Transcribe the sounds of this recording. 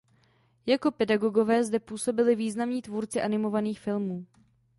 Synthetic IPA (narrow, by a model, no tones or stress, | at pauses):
jako̞pɛdaɡo̞ɡo̞vɛːzdɛpuːso̞bɪlɪviːznamɲiːt̪vuːɾt͡sɪʔanɪmo̞vaniːxfɪlmuː